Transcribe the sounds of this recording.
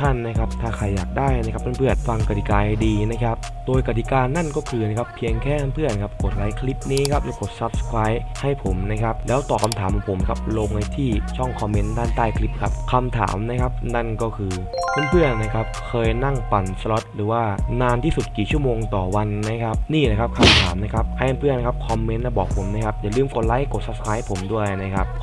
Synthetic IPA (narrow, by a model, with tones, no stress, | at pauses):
t̪ʰa˥˩nːa˦˥kʰa˦˥p̚t̪ʰaː˥˩kʰa˧˩jːaː˨˩k̚daː˥˩jna˧˥kʰa˦˥p̚t̪ʰa˥˩pʰɯ˥˩ən̚fa˧ŋka˨˩t̪i˨˩kaː˧diː˧na˦˥kʰa˦˥p̚ | doː˧jka˨˩t̪̬i˨˩kaː˧nːa˥˩nkɔː˥˩kʰɯː˧na˦˥kʰa˦˥pʰːi˧əŋkʰɛː˥˩t̪ʰa˥˩pʰɯ˥˩ənkʰa˦˥p̚ko˨˩t̪̚la˨˦jkʰli˦˥p̚niː˦˥kʰa˦˥p̚la˧˥˩ko˨˩t̪̚sa˦˥p̚sə̥˧kʰɾaː˦˥jha˥˩jpʰo˩˦mna˦˥kʰa˦˥p̚lɛː˦˥wt̪ɔː˨˩kʰa˧mt̪ʰaː˩˦mkʰɔ˧˦pʰo˩˦mkʰa˦˥p̚lo˧ŋha˧˩jt̪ʰiː˥˩t͡ɕʰɔ˥˩ŋkʰɔː˧mːe˦˥ndaː˥˩nt̪aː˥˩jkʰli˦˥p̚kʰa˦˥p̚kʰa˧mt̪ʰa̰ː˩˦mna˦˥kʰa˦˥p̚na˥˩nkɔː˥˩kʰɯː˧ | kʰa˥˩˨npʰɯ˥˩ənːa˦˥kʰa˦˥p̚kʰɤː˧jna˥˩ŋpa˨˩nslo˦˥t̪̚ɾɯː˩˦waː˥˩naː˧nt̪ʰiː˥˩su˨˩t̪̚kiː˨˩t͡ɕʰu˥˩əmoː˧ŋt̪ɔː˨˩wa˧nːa˦˥kʰa˦˥p̚niː˥˩laː˨˩kʰa˦˥p̚kʰa˧mt̪ʰaː˩˦mna˦˥˩kʰa˦˥p̚ʔʰa˧˩ʔa˧˩npʰɯ˥˩əna˦˥kʰa˦˥p̚kʰɔ˧mːe˦˥nːa˦˥˩bɔː˨˩k̚pʰo˩˦mna˦˥kʰa˦˥p̚jaː˨˩lɯː˧˥˩mko˨˩t̪̚la˦˥jko˨˩t̪̚sa˦˥p̚sʰɾaː˦˥jha˥˩pʰo˩˦mdu˥˩əjna˦˥kʰa˦˥p̚